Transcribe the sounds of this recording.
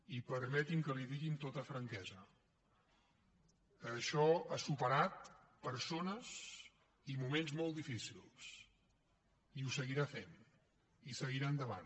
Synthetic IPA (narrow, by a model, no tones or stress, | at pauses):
ipəɾmɛt̪iŋkəliðiɣint̪ot̪əfɾəŋkɛzə | əʃɔasupəɾat̪̚ | pəɾsonəz | imumenzmolˠt̪d̪ifisilˠs | iusəɣiɾafen | isəɣiɾaənd̪əβa̰n